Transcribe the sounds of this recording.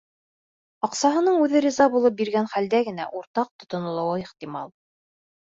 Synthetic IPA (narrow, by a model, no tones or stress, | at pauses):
ɑqsɑɦɤ̆nɤɴʉðɘɾʲizɑbulˠɤp̚biɾɡænχæld̪æɡɘ̆næʔuɾt̪ɑq̚t̪ŏt̪ŏnŏlˠɑ̆wɤiχt̪imɑlˠ